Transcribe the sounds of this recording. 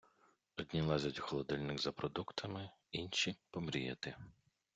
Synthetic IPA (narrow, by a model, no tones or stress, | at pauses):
ɔdʲnʲilˠɛzʲɐtʲxɔlˠɔd̪ɛlʲnɪɡzɐpɾɔd̪ukt̪ʰɐmɪ | inʲʃipɔmɾʲijɐ̰t̪ɪ